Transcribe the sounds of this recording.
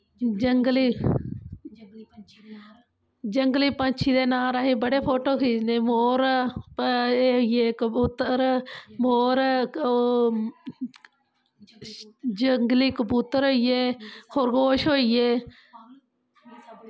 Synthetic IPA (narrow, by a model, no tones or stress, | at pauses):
d͡ʒəŋɡliː | d͡ʒəŋɡliːpət͡ʃʰiːd̪eːnaːɾaːɦiːbəɽeːpʰoːʈoːkʰiːnemoːɾ | ejeːkəbuːt̪əɾmoːɾ | d͡ʒəŋɡliːkəbuːt̪əɾoijeːkʰoɾɡoːʃɦoːijeː